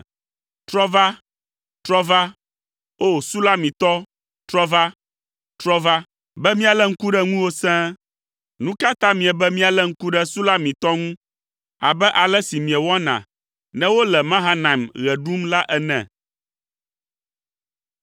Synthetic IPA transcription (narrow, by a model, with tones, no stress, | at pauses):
t̪ɾɔ˦va˦ | t̪ɾɔ˦va˦ | o˦˨su˦la˦mĩ˨t̪ɔ˦ | t̪ɾɔ˦va˦ | t̪ɾɔ˦va˦ | bɛ˦mĩ˦a˨lɛ˦ŋ̩˦ku˦ɖɛ˦ŋũ˦wo˦sɛ̃˦ | nũ˦ka˦t̪a˦mĩ˨ɛ˨bɛ˦mĩ˦a˨lɛ˦ŋ̩˦ku˦ɖɛ˦su˦la˦mĩ˨t̪ɔ˦ŋũ˦ | a̰˨bɛ˦ʔa˨lɛ˦si˨mĩ˨ɛ˨wɔ˦nã̰˨ | nɛ̃˦wo˦lɛ˨mã˦ɦa˦nã˨mɣɛ˨ɖu˦mla˦ʔɛ˦nɛ̰̃˨